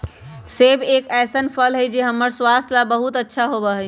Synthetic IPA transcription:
sebeːkɛːsənpʰəlɦəjd͡ʒeɦəmːəɾswast̪labəɦut̪ətːʃʰaɦobəɦəj

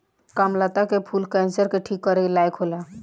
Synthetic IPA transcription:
kamlat̪akepʰulkɛ̃nsəɾkeʈʰikːəɾelajkʰɦola

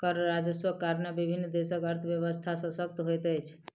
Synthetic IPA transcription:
kəɾɾad͡ʒəswəkaɾnebibʱinːd̪esəkəɾt̪ʰəbjəβəst̪ʰasə̃sək̚t̪ɦojt̪əjt͡ʃʰ

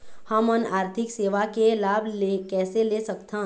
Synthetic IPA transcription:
həmənaːɾt̪ʰɪkseːʋakelaːbʱlekɛːselesəkt̪ã

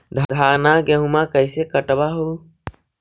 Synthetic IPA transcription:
d̪ʱd̪ʱaːnaɡeɦumakəɪsekəʈbaɦo

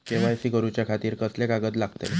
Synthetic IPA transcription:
keʋ̤ajsiɡəɾut͡ɕjakʰat̪iːɾkəslekaɡət̪laɡt̪ḛ

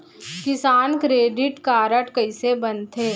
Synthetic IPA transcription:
kɪsaːnkɾeːɖɪʈkaːɾəʈkɐɪsebɐnt̪ʰeː

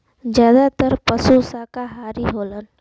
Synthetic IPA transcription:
d͡ʒjaːd̪at̪əɾpəsusaːkaɦaːɾiɦoːlən

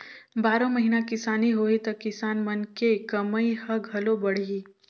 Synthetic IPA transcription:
baːɾõməɦinakɪsaːniɦoːit̪ɐkɪsaːnmɐnkekɐməihɐɡʱɐlobɐɽ̤iː

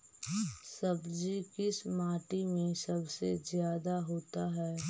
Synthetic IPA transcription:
sɐbd͡ʒikɪsmaːʈimẽsɐbsezjaːd̪aɦoːt̪aɦɛː

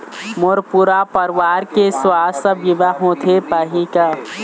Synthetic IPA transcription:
moɾpuɾapəɾʋaːɾkeswaːsəbjɪʋaɦõt̪ʰepaːɦika

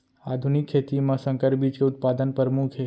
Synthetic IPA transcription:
ad̪ʱunikʰːet̪imãsə̃ŋkəɾbit͡ʃkeʊt̪̚pad̪ənpəɾmukʰe

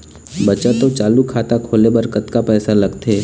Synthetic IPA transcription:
bət͡ʃat̪ot͡ʃaːlukʰaːt̪akʰoːlebɐɾkət̪kapɛːsalɐɡt̪ʰeː

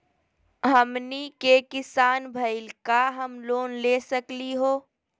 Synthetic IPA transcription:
ɦɐmnikekɪsaːnbʱəɪlkaɦɐmloːnleːsəkliɦoː

